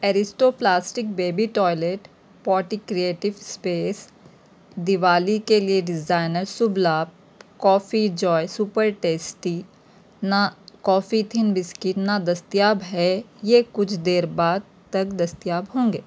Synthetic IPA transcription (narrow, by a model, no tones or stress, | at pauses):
ɛːɾɪsʈoːplaːsʈɪk̚beːbiʈɔːɪleʈ | pɔːʈikɾieːʈɪʋspeːs | d̪ɪʋaːlikelieɖɪzaːɪnəɾsʊblaːb̚ | kɔːfid͡ʒɔːsuːpəɾʈeːsʈi | nakɔːfit̪ʰɪnbɪskɪʈnad̪ɐst̪ijaːbɦɛjekʊt͡ʃʰd̪eːɾbaːd̪̚ | t̪ɐkd̪ɐst̪ijaːbɦõːŋɡeː